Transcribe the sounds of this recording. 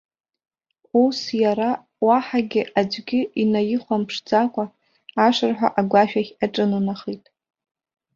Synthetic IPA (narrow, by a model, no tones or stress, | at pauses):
usjaɾa | waħaɡʲɪʔad͡ʒʷɡʲɪʔinajɪχʷampʰʂd͡zakʷʼaː | ʂɨrħʷᶣa̰ʔaɡʷaʃᶣaχʲaʈ͡ʂʼɨnɨnaχitʼ